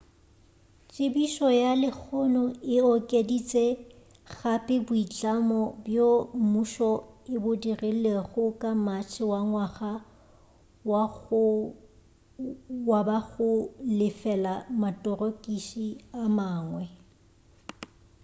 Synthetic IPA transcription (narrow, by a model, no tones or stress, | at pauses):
t͡ʃʼɪbiʃɔjalɪk͡xʰɔnɔɪɔkʼedit͡sʼɛ | ɣapʼɪbʊit͡ɬʼamɔbjomuʃɔɪbʊdireleɣʊkʼamat͡ʃʰɪwaŋwaχa | w | wabaɣʊlɪfɛlamatʼɔrokʼiʃiamaːŋwɛ